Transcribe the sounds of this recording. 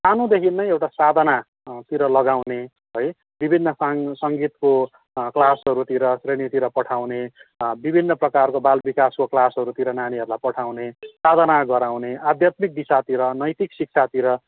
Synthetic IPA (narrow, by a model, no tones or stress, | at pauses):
sanud̪ekʰinnʌjewʈasad̪ʱʌna | t̪iɾʌlʌɡawne | ɦoj | bibʱinːʌssʌŋɡit̪ko | klasɦʌɾut̪iɾʌsrenit̪iɾʌpʌʈʰawnebibʱinːʌprʌkarkobalbikaskoklasɦʌɾut̪iɾʌnaniɦʌɾulajpʌʈʰawnesad̪ʱʌnaɡʌɾawnead̪ʱjat̪mik̚d̪isat̪iɾʌnʌjt̪iksik̚t͡sʰat̪iɾʌ